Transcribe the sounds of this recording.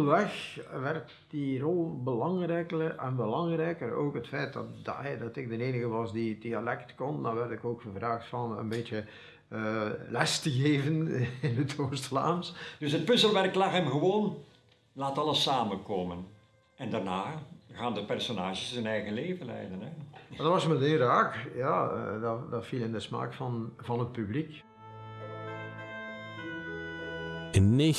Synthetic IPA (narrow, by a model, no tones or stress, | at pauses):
əʋɛxʋɛrt | d̥irɔlˠbəlɑŋrɛːkərɛnbəlɑŋrɛjkəro̰ːkɦətfɛjt̚dtdɛdɑtɪɡ̚dəneːnəɣəʋɑsdidialɛktkɔndɑʋɛrtɪkoːkxəvraːxtfɑnə̰nbeːtjə | lɛstəɣeːvənɪnətoːrstfla̰ːmsd̥ɵsɦət̚pɵsəlˠʋɛrklɑxɦɛmɣəʋoːn | laːtɑləsaːmənkoːmən | ɛndarnaːɣaːndəpɛrsonaːʒəszənɛjɣənleːvəlɛ̰jdənɛdɑtʋɑsmətenraːkja̰ːdɑdɑtfilˠɪndəsma̰ːkfɑnvɑnət̚pyblik | ɪnːe